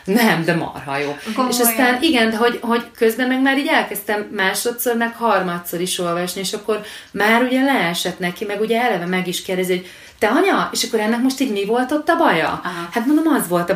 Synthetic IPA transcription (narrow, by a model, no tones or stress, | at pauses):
nɛmd̪ɛmɒ̰rɦɒ̰joːeʃɒst̪aːniɡɛnd̪ɛɦo̞ɟɦo̞ɟkø̞zbɛmɛɡmaːɾiːɟɛlkɛst̪ɛmːaːʃo̞t̪so̞rmɛkhɒrmɒt̪so̞ɾiʃo̞lvɒʃnieːʃɒkːo̞rmaːɾuɟɛlɛɛʃɛt̪nɛkimɛɡuɟɛɛlɛvɛmɛɡiʃkeːrd̪ɛziho̞ɟ | t̪ɛɒɲɒeːʃɒkːo̞ɾɛnːɛk̚mo̞ʃt̪iːɟmivo̞lt̪o̞t̪ːɒbɒjɒ̰hat̪mond̪omɒzʋo̞lt̪ɒ